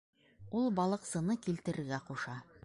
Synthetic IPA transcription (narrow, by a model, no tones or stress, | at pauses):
ulˠbɑlˠɤ̆qsɤ̆nɤkilt̪ɘ̆ɾɘ̆ɾɡæquʃɑ